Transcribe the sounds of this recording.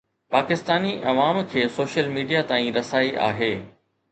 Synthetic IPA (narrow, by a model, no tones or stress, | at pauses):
paːkɪst̪aːniʔɐʋaːmkʰeːsoːʃəlmiːɖijat̪aːĩɾɐsaːiʔa̰ːɦeː